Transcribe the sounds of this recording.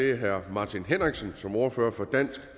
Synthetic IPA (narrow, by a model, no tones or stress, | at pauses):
e̝æɦæɐ̰mɑ̈t͡sʰinɦenʁaɡ̥sənsɒ̽mɒːɐføːɐfɒ̽d̥æn̰sɡ̥